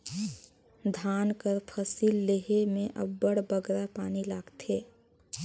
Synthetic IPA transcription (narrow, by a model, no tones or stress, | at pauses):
d̪ʱaːnkəɾpʰəsiːlːeɦemẽʔə̰bːəɽbəɡɾapaːnilaːɡt̪ʰeː